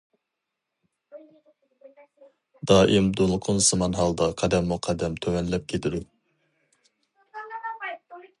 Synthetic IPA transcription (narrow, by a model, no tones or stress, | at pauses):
d̪ɑːʔɪmd̪olˠqʰʊnsɨmɑnɦɑlˠd̪ɑqʰɑd̪ɛmːuqʰɑd̪ɛmt̪ʰømɛnlɛp̚kʲʰet̪ʰɪd̪u